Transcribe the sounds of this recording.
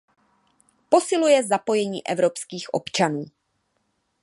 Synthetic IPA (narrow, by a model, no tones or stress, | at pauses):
po̞sɪlujɛzapo̞jɛɲiːʔɛvɾo̞pskiːxʔo̰pt͡ʃanuː